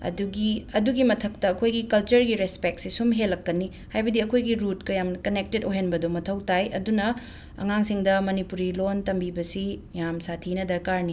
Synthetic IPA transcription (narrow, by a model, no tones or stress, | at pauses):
ɐ̰duɡiɐduɡimɐtʰɐk̚tɐːkʰojɡikɐlt͡ʃɐɾɡiɾespek̚tsisumɦelːɐkːɐni | hajbɐdiɐkʰojɡiɾut̚kɐjamkɐnek̚tedoɦenbɐdomɐtʰɐwtajɐ̰dunɐ | ɐ̰ŋaŋsiŋdɐmɐnipuɾilontɐmbibɐsijamsatʰinɐdɐɾkaɾni